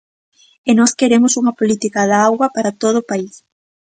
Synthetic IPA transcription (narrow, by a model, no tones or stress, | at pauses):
enɔskeɾemʊsuŋɐpolit̪ikɐðaɣwɐpaɾɐt̪oð̞ʊːpais